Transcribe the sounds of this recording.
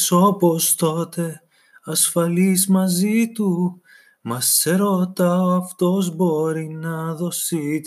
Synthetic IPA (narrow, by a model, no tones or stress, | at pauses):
so̞po̞st̪o̞t̪e̞ | ɐsfɐlizmɐzit̪u | mɐseɾo̞t̪ɐoɐft̪o̞zbo̞ɾinɐðo̞sit̪